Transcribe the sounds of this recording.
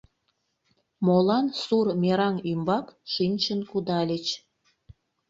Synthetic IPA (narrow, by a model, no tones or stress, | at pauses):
molɑnsurmʲeɾɑŋymbɑkʃinʲt͡ɕənkud̪ɑlʲet͡ɕ